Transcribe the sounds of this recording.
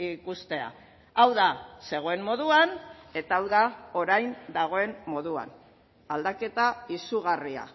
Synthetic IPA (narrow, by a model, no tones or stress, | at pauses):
ikust̪e̞a̰ | awðase̞ɣ̞o̞e̞mːo̞ðuane̞t̪aːwðao̞ɾajnd̪aɣ̞o̞e̞mːo̞ðua̰n | ald̪ake̞t̪aisuɣ̞aria̰